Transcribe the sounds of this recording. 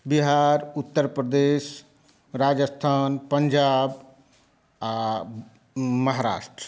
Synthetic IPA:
biɦaɾut̪ːəɾpɾəd̪es | ɾad͡ʒəst̪ʰaːnpəɲd͡ʒab | a | məɦaɾa̰ːʃʈɾə

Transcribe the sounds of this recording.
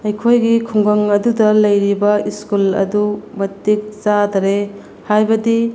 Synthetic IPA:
ɐjkʰojɡikʰuŋɡɐŋɐdudɐlɐjɾibɐiskulɐ̰dumɐtːik̚t͡ʃadɾe | hajbɐdi

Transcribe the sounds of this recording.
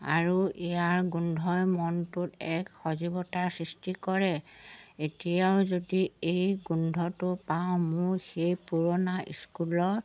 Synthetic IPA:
a̰ɹuʔɛjaɹɡundʱɔjmɔntʊtɛkxɔzibɔtasɹistikɔɹɛetijaʊzodiejɡundʱɔtʊpaʊ̃mʊɹxejpuɹɔnaʔḭskulɔt

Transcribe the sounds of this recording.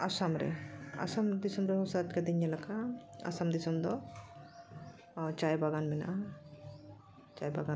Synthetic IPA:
asamɾɛ̰a̰samd̪isɔmɾɛɦɔ̃sat̚kad̪iɲjalakʰaa̰samd̪isɔmd̪ɔ | t͡ʃajbaɡanmɛna̰ʔa | t͡ʃajbaɡa

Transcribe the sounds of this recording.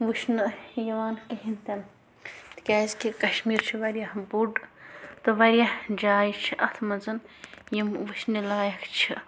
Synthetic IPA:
ʋuʃnɨjɐʋaːnkiɦint̪ɐn | t̪kʲaːzkikɐʃmiːɾt͡ʃʰiʋɐɾjahbuɖt̪ɨʋɐɾʲjahd͡ʒaːjit͡ʃʰiʔɐt̪ʰmɐzɨnjimʋuʃnilaːjɐkʰt͡ʃʰi

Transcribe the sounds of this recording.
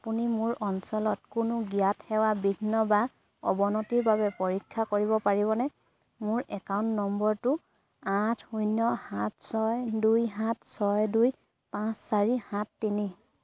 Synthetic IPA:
apunimʊɹɔnsɔlɔt̚kʊnʊɡijathɛwabibʱinːɔba | ɔbɔnɔtiɹbaβɛpoɹikʰːakoɹiβɔpaɹibɔnɛ | mʊɹɛkaʊ̃ntnɔmbɔɹtʊ | atʰujnːɔhãt̚ʰsɔjdujɦãtʰsɔjduj | pãsːaɹihãtːini

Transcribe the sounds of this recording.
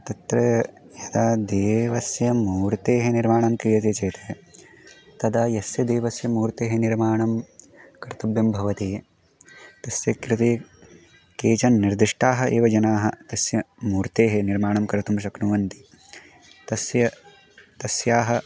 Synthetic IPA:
t̪ɐt̪ɾɐ | jɐd̪aːd̪eːʋɐsjɐmuːɾt̪eːɦeniɾmaːɳɐmkɾijɐt̪eːt͡ʃeːt̪ɐ | t̪ɐd̪aːjɐsjɐd̪eːʋɐsjɐmuːɾt̪eːɦeniɾmaːɳɐm | kɐɾt̪ɐbjɐmbʱɐʋɐt̪eː | t̪ɐsjɐkɾɪt̪eː | keːt͡ʃɐnːiɾd̪iʂʈaːɦɐʔeːʋɐd͡ʒɐnaːɦɐt̪ɐsjɐmuːɾt̪eːɦeniɾmaːɳɐmkɐɾɐt̪umʃ̬ɐknuʋɐnt̪i̥ | t̪ɐsjɐ | t̪ɐsjaːɦɐ

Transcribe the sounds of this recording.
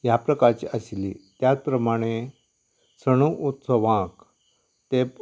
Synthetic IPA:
japɾəkaɾt͡ɕiʔəslit̪jat͡spɾəmaɽ̃e | səɽ̃uʔut̪səʋãk | t̪e

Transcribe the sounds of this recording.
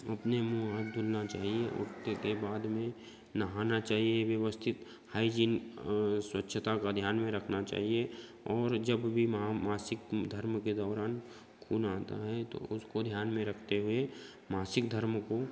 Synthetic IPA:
ɐpnemuad̪ʱʊlnat͡ʃaːɦieʔʊ̰ʈt̪ekebaːd̪mẽ | nəɦaːnat͡ʃaːɦieʋjəʋəst̪ʰɪt̪ | haːid͡ʒin | swətːʃʰət̪akad̪ʱjaːnmẽɾɐkʰnat͡ʃa̰ːɦie | ɔːɾd͡ʒɐbbʱimɦamaːsɪkd̪ʱɐɾmked̪ɔːɾaːn | kʰuːnaːt̪a̰ɦɛt̪o̰ʊskod̪ʱjaːnmẽɾɐkʰt̪eɦʊe | maːsɪkd̪ʱəɾmko

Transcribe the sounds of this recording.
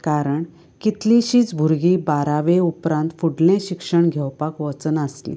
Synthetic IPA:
kaɾəɳ | kit̪liɕiːt͡sbʱuɾɡiːbaɾaʋeupɾãnt̪fuɽlẽɕikʂəɳɡʱɛwpakʋət͡sənəslḭ̃

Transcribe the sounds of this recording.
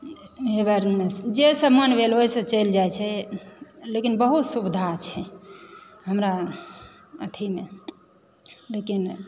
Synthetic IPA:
ebəɾmed͡ʒesəbmənbʱeloɦisə̃t͡ʃəjld͡ʒajt͡ʃʰɛ | lekinbəɦut̪subid̪ʱat͡ʃʰɛ | ɦəmɾa | ət̪ʰime | lekin

